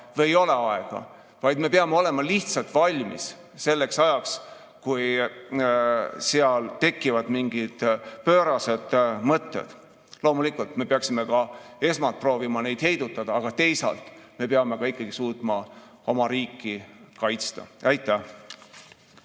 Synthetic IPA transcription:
veejo̞le̞ɑeɡ̥ɑ̰ | vɑjd̪me̞peɑmeo̞le̞mɑliht̪sɑlt̪ˑvɑlʲmḭs | se̞lːe̞ksɑjɑks | kuj | seɑlt̪e̞kːivɑd̪̥miŋɡ̥id̪̥pø̞ːɾɑse̞d̪̥mɤt̪ːˑḛd̪̥ | lo̞ːmulikːult̪me̞peɑksime̞kɑe̞smɑlt̪̚pro̞ːvimɑne̞jd̪̥he̞jd̪̥ut̪ːˑɑd̪̥ɑːɡ̥ɑt̪e̞jsɑ̰lt̪ˑme̞peɑme̞kɑikːˑɑɡ̥isuːt̪mɑ | o̞mɑɾiːkːikɑjt̪st̪ɑ̰æjt̪ːˑæh

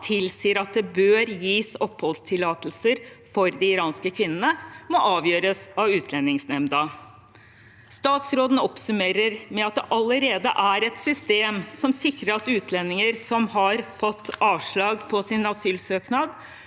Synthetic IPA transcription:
t̪ʰɪlsiːəɾɑt̪̚d̪ɛbøːɾjiːsɔphɔlst̪ʰɪlɑːt̪lsəɾfɔɾd̪ɪɪɾɑːnskəkʰʋɪnənəmɔʔɑːʋjøːɾəsɑʋʉːt̪ʰlɛnːɪŋsnɛmd̪ɑ | st̪ɑːt̪sɾoːd̪n̩ɔpsʉmeːɾəɾmɛɑt̪̚d̪ɛʔɑləɾeːd̪əʔæɾɛt̪sʏst̪eːmsɔmsɪkɾəɾɑt̪ʉːt̪ʰlɛnːɪŋəɾsɔmhɑɾfɔt̪ːɑːʋʂɭɑːɡpʰɔsɪnɑsyːlsøːknɑd̪

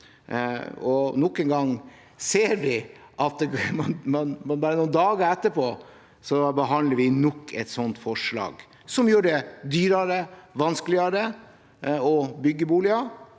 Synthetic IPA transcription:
ɔnɔkːənɡɑŋ | seːɾdɪʔɑt̪̚mɑnmɑnmɑnbɑːɾənuːnd̪ɑːɡəɾɛt̪ːəpʰoː | sɔbəɦɑnləɾʋɪnɔkʰːɛ̰t̪sɔnt̪fɔʂɭɑ̰ːɡ | sɔmjuːɾd̪ɛd̪yːɾɑɾəʋɑnsklɪəɾə | ɔbʏɡːəbuːlɪɑ

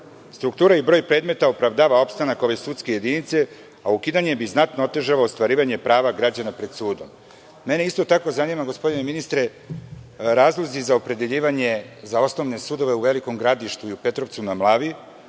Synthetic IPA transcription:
st̪ɾukt̪uːɾaibɾo̞ːjpɾe̞ːd̪me̞t̪aopɾaʋd̪aːʋao̞pst̪anako̞ʋe̞sut̪ske̞je̞d̪init̪se̞ | aukid̪aɲe̞biznat̪noot̪e̞ʒaloːst̪ʋaɾiːʋaɲe̞pɾaːʋaɡɾad͡ʑanapɾe̞d̪suːd̪omː | e̞ne̞ist̪o̞t̪ako̞zanimaɡo̞spo̞d̪ine̞minist̪ɾe̞ | ɾaːzlˠozizaopɾe̞d̪e̞ʎiːʋaɲezao̞sno̞ʋne̞sud̪o̞ʋeuʋe̞liko̞mɡɾad̪iʃt̪uiupe̞t̪ɾo̞ʋt̪sunamlˠaːʋi

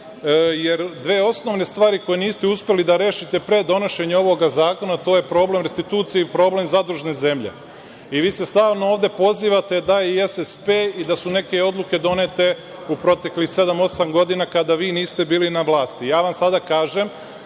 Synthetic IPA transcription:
jeɾd̪ʋeːo̞sno̞ʋne̞st̪ʋaːɾiko̞jeniːst̪euspe̞lid̪aɾe̞ːʃit̪epɾe̞d̪o̞no̞ʃe̞ɲeo̞ʋo̞ɡazaːko̞nat̪o̞ːje̞pɾo̞ːble̞mɾest̪it̪uːt̪sijeipɾo̞ːble̞mzad̪ɾuʒne̞ze̞mʎe̞̰ | iʋiːse̞st̪aːʋnooːʋd̪e̞po̞ziːʋat̪e̞d̪aesespeːid̪asune̞ke̞o̞d̪lˠuke̞d̪o̞net̪e̞ | upɾo̞t̪e̞klixse̞d̪amo̞samɡo̞d̪inakad̪aʋiːniːst̪e̞biːlinaʋlˠaːst̪ijaːʋamsad̪akaːʒe̞m

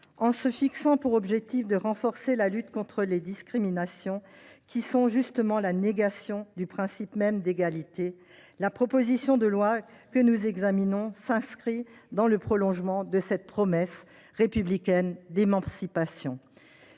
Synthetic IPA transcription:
ɑ̃səfiksɑ̃puʁɔbʒɛk̚t̪ifd̪əʁɑ̃fɔʁselalyt̪kɔ̃t̪χəled̪iskχiminasjɔ̃kʲisɔ̃ʒyst̪əmɑ̃laneɡasjɔ̃d̪ypχɛ̃sipmɛmd̪eɡalit̪e | lapχɔpozisjɔ̃d̪əlwakənuzɛɡzaminɔ̃sɛ̃skχid̪ɑ̃ləpχɔlɔ̃ʒmɑ̃d̪əsɛt̪̚pχɔmɛs | ʁepyblikʲɛnd̪emɑ̃sipasjɔ̃

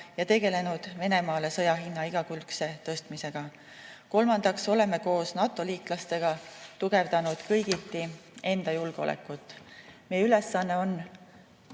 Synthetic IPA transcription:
jɑt̪e̞ɡe̞le̞nud̪̥ve̞ne̞mɑːle̞sɤ̞jɑɦinːɑiɡ̥ɑkylkse̞t̪ɤ̞st̪mise̞ɡ̥ɑ | ko̞lmɑnd̪̥ɑkso̞le̞me̞ko̞ːsnɑt̪ːˑo̞liːklɑst̪e̞ɡ̥ɑt̪uɡ̥e̞vd̪̥ɑnud̪̥kɤjɡ̥it̪ːie̞nd̪̥ɑjulɡ̥eo̞̰lḛkːˑut̪ːˑmejyle̞sːɑnːe̞o̞nː

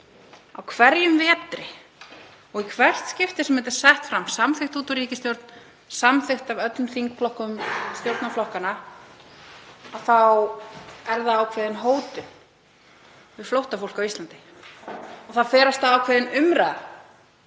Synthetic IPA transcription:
a̰wkʰvɛɾjʏmvɛːt̪ɾɪ | ɔɣikʰvɛr̥t̪scɪft̪ɪsɛmɛt̪ɪ̥sɛht̪fɾamːsamθɪxt̪huːt̪ɔɾiːcɪst̪jowɾt̪n | samθɪxt̪avœt̪lʏmθiŋkflɔhkʏmst̪jowɾt̪naflɔhkana | aθaw | ɛɾðaaːwkʰvɛːðɪnɦoːwt̪ʏn | vɪ̥flowht̪afowl̥kawist̪lant̪ɪ̥ | ɔθaðfɛːɾast̪aawkʰvɛːðɪnʏmɾaða

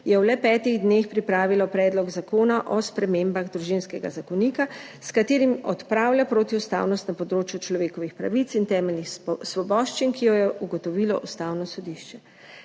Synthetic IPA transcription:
jɛwlɛpɛːt̪iɣd̪neːxpɾipɾaːʋilɔpɾɛːd̪lɔɡzakoːnaʔɔspɾɛmeːmbaɣd̪ɾuʒinskɛɡa̰zakɔniːka | skat̪eːɾimɔt̪pɾaːwlʲjapɾoːt̪iust̪a̰ːwnɔst̪napɔd̪ɾoːt͡ʃjut͡ʃlɔʋeːkɔʋixpɾa̰ʋit̪sint̪ɛːmɛlnixsʋɔbɔːʃt͡ʃinkijɔjɛʔuɡɔt̪ɔʋilɔ̰ʔust̪aːwnɔsɔd̪iʃt͡ʃɛ

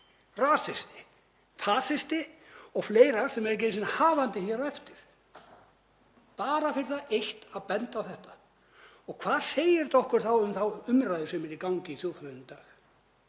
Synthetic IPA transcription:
raːsɪst̪ɪ̥ | fʰaːsɪst̪ɪɔɣfleːjɾaɾ̥sɛmɛɾc̬ejnsɪnahaːvant̪ɪçɛɾawɛft̪ɪɾ̥ | paːɾafɪɾɪ̥θaðejht̪aðpɛnt̪awθɛht̪ḁ | ɔɣkʰvaːð̥seːjɪɾ̥t̪ɔhkʏɾ̥θawʏmθawʏmɾajðɪsɛmɪɾikawɲcɪiθjuwfɾaðɪmt̪aːx

